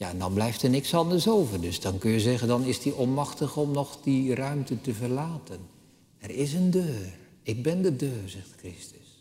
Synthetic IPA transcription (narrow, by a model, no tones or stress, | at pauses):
jaɛndɑnblɛjftɛɹnɪksɑndəɹsowvəɹdɵsdɑnkɵnjəzɛχəndɑnɪsdiʔɔnmɑχtəχɔmnɔχdirœɥmtətəvəɹlaːtən | ɛɹɪsəndøːr | ɪɡ̚bɛndədøːrzɛχtkrɪstə̥s